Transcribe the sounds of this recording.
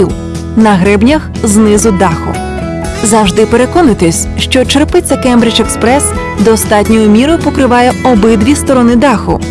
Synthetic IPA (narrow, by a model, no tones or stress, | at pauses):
iw | nɐɦɾɛbnʲɐx | znɪzʊd̪ɑxʊ̰ | zɐwʒd̪ɪpeɾe̞kɔnɪt̪ɪsʲʃt͡ʃɔt͡ʃerpɪt͡sʲːɐkɛmbɾʲɪt͡ʃekspɾɛs | d̪ɔst̪ɑtʲnʲɔjʊmʲiɾʊpɔkɾɪʋɑjɛɔbɪd̪ʋʲist̪ɔɾɔnɪd̪ɑxʊ̰